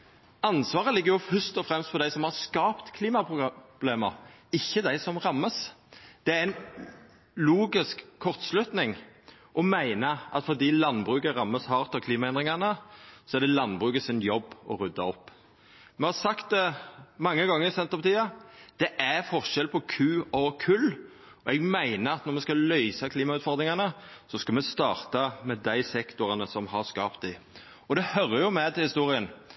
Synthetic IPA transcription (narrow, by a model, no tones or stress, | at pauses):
ɑnsʋɑːʁəlɪɡːəɾjʊfœst̪ɔfɾɛmst̪fɔd̪æɪsɔmhɑʁskɑːpt̪kʰliːmɑpbleːməɾɪçːəd̪æɪsɔmʁɑmːəsd̪̥ɛææɪn | luːɡɪskʰːɔʁt̪slʉt̪nɪŋ | ʔɔmæɪnəʔɑ̰t̪fɔd̪iːlɑnbʁʉːkəʁɑmːəshɑːʁt̪ɑkʰliːmɑɛnd̪ʁɪŋɑnəsɔɛɾɖ̪ɛlɑnbʁʉːkəsɪnjɔbːɔ̰ɾʉd̪ɑɔpː | mɛhɑɾsɑkt̪̚d̪ɛmɑŋːəɡɑŋːəɾɪsɛnt̪ʁəpɔt̪ʰiːɑd̪̥ɛʔæfɔɾʃɛlpʰɔkʰʉːɔkʰʉl | ɔɛɡmæɪnəɾɑt̪nɔʁmɛskɑlœʏsɑkʰliːmɑʉːt̪fɔd̪ɾɪŋɑnə | sɔskɑlmɛst̪ɑːʁt̪ɑmɛd̪æɪsɛkt̪ʊʁɑnəsɔmhɑʁskɑːpt̪ɪ | ɔd̪ɛhœɾːəjʊmɛd̪ɪhɪst̪uːʁɪən